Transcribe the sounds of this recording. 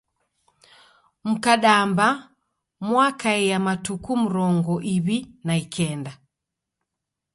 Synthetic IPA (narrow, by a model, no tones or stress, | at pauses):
m̩kaɗamba | mwakaɛjamatukum̩ɾɔŋɡɔʔiβinaikʰɛnda